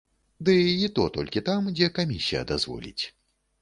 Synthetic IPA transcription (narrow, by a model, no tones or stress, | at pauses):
d̪ɨit̪ɔt̪ɔlʲkʲit̪amd͡zʲɛkamʲisʲijɐ̰d̪azvɔ̰lʲḭt͡sʲ